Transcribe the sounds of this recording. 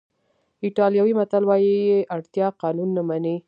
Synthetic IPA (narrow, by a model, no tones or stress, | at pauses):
ɪʈɑljɑwimat̪alwɑjijeʔaɽt̪jɑqɑnunːamani